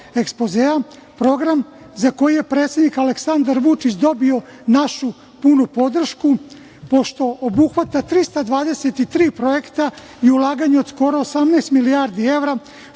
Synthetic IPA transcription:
ekspo̞zea | pɾo̞ɡɾam | zako̞jije̞pɾet̪sed̪nikaleksand̪aɾʋut͡ʃit͡ɕd̪o̞bio̞naʃu | punupo̞d̪r̩ʃku | po̞ʃt̪o̞ʔobuxʋat̪at̪ɾist̪ad̪ʋaːd̪e̞set̪it̪ɾiːpɾo̞je̞kt̪a | iulˠaːɡaɲeod̪sko̞ɾo̞osamneːst̪miliaɾd̪ie̞ʋɾa

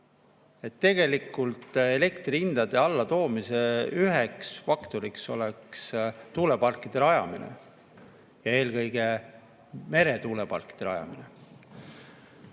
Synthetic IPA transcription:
e̞t̪ːe̞ɡe̞likːˑult̪e̞le̞kt̪riind̪̥ɑd̪̥e̞ɑlːɑt̪o̞ːmiseyɦeksfɑkt̪o̞ɾikso̞̰lekst̪uːle̞pɑrkːˑid̪̥e̞lɑjɑ̰minḛ | jɑe̞ːlkɤ̞jɡ̥e̞ | me̞ɾe̞t̪uːle̞pɑrkːˑid̪̥elɑjɑ̰mine

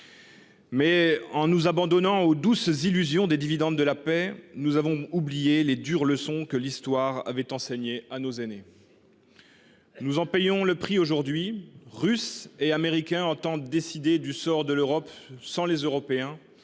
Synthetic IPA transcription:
mɛɑ̃nuzabɑ̃d̪ɔnɑ̃od̪uszilyzjɔ̃d̪ed̪ivid̪ɑ̃d̪ːəlapɛnuzavɔ̃ublijeled̪yʁləsɔ̃kəlist̪waʁa̰vɛt̪ɑ̃seɲeanozene | nuzɑ̃pɛjɔ̃ləpχioʒuʁd̪ɥiʁyseameʁikʲɛ̃ɑ̃t̪ɑ̃d̪esid̪ed̪ysɔʁd̪əløʁɔpsɑ̃lezøʁɔpeɛ̃

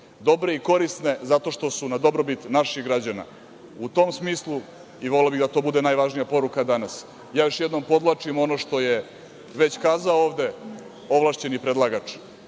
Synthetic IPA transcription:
d̪o̞bɾe̞iko̞ɾist̪ne̞zat̪o̞ʃt̪o̞sunad̪o̞bɾobit̪naʃixɡɾad͡ʑana̰ | ut̪o̞ːmsmiːslˠu | iʋolelabid̪at̪o̞ːbud̪enaːjʋaʒnijapo̞ɾukad̪anas | jaːjo̞ʃjɛd̪no̞mpo̞d̪lˠat͡ʂimo̞noʃt̪o̞je | ʋe̞t͡ɕkaːzaooːʋd̪e̞ | o̞ʋlˠaʃt͡ɕe̞nipɾed̪lˠaɡat͡ʂ

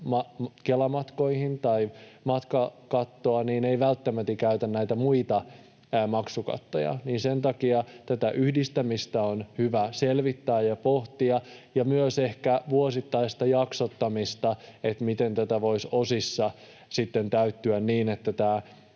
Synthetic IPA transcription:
mɑkelɑmɑt̪ko̞ihint̪ɑimɑt̪kɑkɑt̪ːoɑniːneiʋælt̪ːæmæt̪ːikæyt̪ænnæit̪æmuit̪ɑ | mɑksukɑ̰t̪ːo̰jɑ̰niːnsent̪ɑkiɑt̪æt̪æʔyhdist̪æmist̪æonhyʋæselʋit̪ːæːjɑpoht̪iɑjɑmyøsehkæʋuosit̪ːɑist̪ɑjɑksot̪ːɑmist̪ɑet̪mit̪ent̪æt̪æʋoisosisːɑ | sit̪ːent̪æyt̪ːyænniːnet̪ːæt̪æː

